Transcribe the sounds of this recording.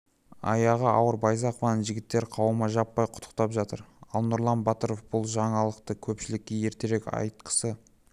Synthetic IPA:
ɑ̰jɑʁəɑwəɾbɑjzɑqovɑnənʒɪɡʲɪt̪ːe̞ɾqʰɑwəmɑʒɑpːɑjqʰʊ̥t̪ʰə̥q̚t̪ɑpʒɑt̪əɾɑlˠnʊɾlˠɑnbɑt̪əɾofbʊlˠʒɑɴɑlˠəqt̪əkʲʰɵpʃɪlɪkʲːeje̞ɾt̪e̞ɾekɑ̰jt̪̚qə̥sə

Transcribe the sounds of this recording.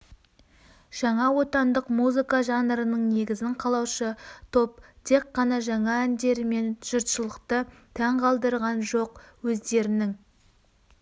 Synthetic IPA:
ʒ̥ɑɴɑwo̞t̪ɑnd̪əqmuzɨkɑʒɑnɾənəɴne̞ɡʲɪzɪŋqʰɑlˠɑwʃət̪ʰo̞p̚t̪ʰe̞qːɑnɑʒɑɴɑænd̪e̞ɾme̞nʒ̥əɾt̪ʃəlˠəqt̪ət̪ʰæɴqʰɑlˠd̪əɾʁɑnʒo̞qwɵzd̪e̞ɾɪnɪŋ

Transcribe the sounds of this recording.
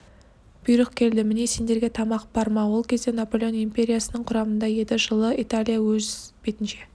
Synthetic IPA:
b̥ijɾəqkʲʰe̞ld̪ɪmɪne̞se̞nd̪e̞ɾɡʲe̞t̪ʰɑmɑqb̥ɑɾmɑwo̞lˠkʲʰe̞zd̪enapo̞lʲe̞nimpʲe̞ɾʲijasənəɴqʰʊɾɑmənd̪ɑje̞d̪ɪʒəlˠəit̪alʲijawɵzbet̪ɪnʃe̞

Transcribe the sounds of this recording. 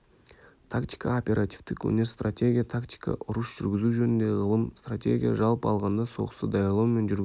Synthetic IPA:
t̪ʰakt̪ʲijkaopʲe̞ɾʔat̪ʲi̥ft̪ɪkwɵ̰ne̞ɾst̪rʔatʲe̞ɡʲijat̪ʰakt̪ʲi̥ka̰ʔʊɾəʃʒ̥ʏɾɡʲɪzuʒɵnɪnd̪e̞ʁəlˠəmst̪ratʲe̞̰ɡʲija̰ʒɑlˠpɑlˠʁɑnd̪ɑso̞̰ʁə̥səd̪ɑjɑɾlˠawume̞nʒʏɾɡʲ

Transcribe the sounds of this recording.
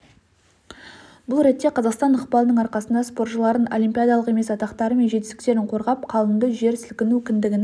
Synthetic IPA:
bʊlˠɾe̞t̪ːe̞qʰɑzɑqst̪ɑnəqpɑlˠənəɴɑɾqɑsənd̪ɑspo̞rt̪ʃəlˠɑɾənolʲimʲpʲijad̪alˠəqe̞me̞sɑt̪ɑqt̪ɑɾəme̞nʒe̞t̪ɪst̪ɪ̥k̚ʲt̪e̞ɾɪɴqʰo̞ɾʁɑpqʰɑlˠənd̪əʒe̞ɾsɪlkʲɪnukʲɪnd̪ɪɡʲɪn

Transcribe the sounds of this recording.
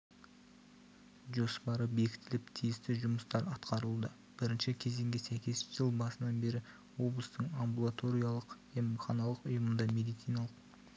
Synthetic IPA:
ʒo̞spɑɾəbe̞kʲʰɪ̥t̪ɪlɪpt̪ʰijɪst̪ɪʒʊməst̪ɑɾɑt̪qɑɾəlˠd̪ə | b̥ɪɾɪnʃɪkʲʰe̞ze̞ŋɡʲɪsæjkʲe̞sʒ̥əlˠbɑsənɑnbe̞ɾɪ | wo̞blˠəst̪əɴambulˠat̪o̞ɾʲijalˠəq | emχɑnɑlˠəqʊjəmənd̪ɑmʲe̞d̪ijt̪sijnɑlˠəq

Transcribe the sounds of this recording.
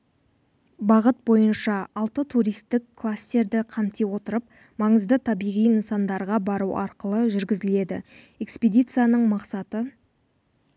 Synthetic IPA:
bɑʁət̪̚bo̞jənʃɑɑlˠt̪ət̪ʰuɾijst̪ɪkʰːlˠast̪e̞ɾd̪ɪqʰɑmt̪e̞wo̞t̪əɾəp̚ | mɑɴəzd̪ət̪ʰɑbijʁijnənsɑnd̪ɑɾʁɑbɑɾuʔɑɾqəlˠəʒʏɾɡʲɪzɪle̞d̪ɪ̰ | e̞ksped̪ʲijt̪sɨjanəɴmɑqsɑt̪ə

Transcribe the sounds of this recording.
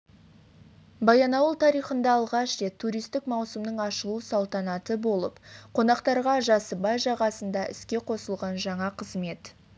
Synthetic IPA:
bɑjɑnɑwəlˠt̪ʰɑɾijχənd̪ɑːlˠʁɑʃre̞t̪ʰːuɾijst̪ɪkmɑwsəmnəɴɑʃəlˠuəsɑlˠt̪ɑnɑt̪əbo̞lˠəpqʰo̞nɑqt̪ɑɾʁɑʒɑsəbɑjʒɑʁɑsənd̪ɑʔʏ̰skʲe̞qʰo̞səlˠʁɑnʒɑɴɑqʰəzme̞t̪

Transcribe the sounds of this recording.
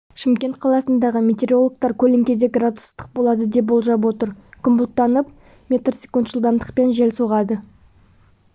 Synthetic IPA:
ʃɪmkʲe̞nt̪̚qʰɑlˠɑsənd̪ɑʁəmʲe̞t̪e̞ɾʲio̞lˠək̚t̪ɑɾkʲʰɵleŋkʲe̞d̪eɡrat̪ust̪ə̥q̚bo̞lˠɑd̪əd̪e̞p̬̚bo̞lˠʒɑpwo̞t̪əɾkʰʊmbut̪ːɑnəp̚ | mʲe̞t̪rsʲe̞kunt̪ʒəlˠd̪ɑmd̪əq̚pe̞nʒelsoʁɑd̪ə

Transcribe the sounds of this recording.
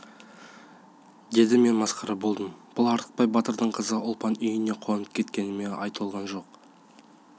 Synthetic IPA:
d̪e̞d̪ɪme̞nmɑsqɑɾɑbo̞lˠd̪əmb̥ʊlˠɑɾt̪ə̥q̚pɑjbɑt̪əɾd̪əɴqʰəzəʔʊlˠpɑnʏjɪne̞qʰoɑnəp̚kʲʰe̞t̪̚kʲe̞nɪme̞ʔɑ̰jt̪əlˠʁɑnʒo̞q

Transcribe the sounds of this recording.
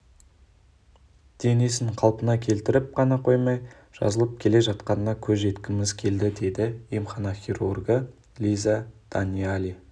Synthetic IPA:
d̪̥e̞ne̞sɪŋqʰɑlˠpənɑkʲʰe̞lt̪ɪɾɪp̚qʰɑnɑqʰo̞jmɑj | ʒ̥ɑ̰zəlˠəp̚kʲʰe̞le̞ʒɑt̪qɑnənɑkʲʰɵze̞t̪kʲɪmɪzkʲʰe̞ld̪ɪd̪e̞d̪ɪimχɑnoχʲirurɡə | lʲizad̪̥anʲialʲi

